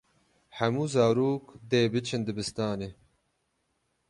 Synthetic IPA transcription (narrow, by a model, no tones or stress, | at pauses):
hɛmuːzɑːɾuːkd̪eːbɨt͡ʃʰɨnd̪ɨbɨst̪ɑːneː